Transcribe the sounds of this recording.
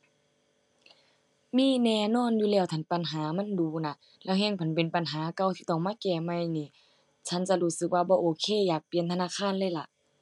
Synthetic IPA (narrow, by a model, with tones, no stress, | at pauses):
miː˧˥˨nɛː˧˨nɔː˧˥˨njuː˧lɛː˧˩˨wt̪ʰa˧˩npa˨nɦaː˨˦ma˧˥˨nduː˨˦na˧˥ | lɛː˧˥˨wɦɛː˧˥˨ŋpʰa˨˦npe˨˦npa˨nɦaː˨˦ka˧˨wt̪ʰiː˧t̪ɔː˧˩ŋmaː˧˥˨kɛː˧˩ma˧˨jniː˧˨ | t͡ɕʰa˧˥˨nt͡ɕa˧˦luː˧˨sɯ˧˦k̚waː˧bɔː˧˦ʔoː˧˦kʰeː˧˥˨jaː˨˩k̚pi˨ə˨nt̪ʰa˧naː˧˥˨kʰaː˧˥˨nlaː˧˩˨la˧˦ʔ